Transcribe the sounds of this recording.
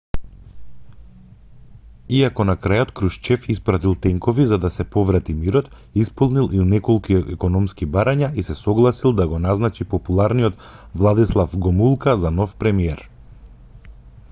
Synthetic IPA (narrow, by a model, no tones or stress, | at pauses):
iakɔnakɾajɔt̪kɾuʃt͡ʃɛfispɾat̪ilˠt̪ɛŋkɔvizad̪asɛpɔvɾat̪imiɾɔt̪ | ispɔlˠnilˠinɛkɔlˠkiɛkɔnɔmskibaɾaɲaisɛsɔɡlˠasilˠd̪aɡɔnaznat͡ʃipɔpulˠaɾnijɔt̪ | vlˠad̪islˠafɡɔmulˠkazanɔfpɾɛmiɛɾ